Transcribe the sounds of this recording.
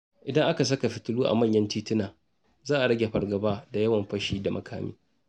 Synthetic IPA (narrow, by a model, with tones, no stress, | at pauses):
ʔɪ˨dɐ˦ŋʔa˦ka˨s̬ɐ˦ka˨ɸɪ˨tʊ˦luː˦ʔa̰˨mɐ˦˨ɲjɐ˦ntiː˦tɪ˦naː˨ | zaː˦ʔa˨ɽɐ˦ɡʲe˨ɸɐ˨rɡɐ˨baː˦da˨jɐ˦wɐ˨mɸɐ˦ʃiː˦da˨mʔɐ̰˨kʰaː˦mḭː˦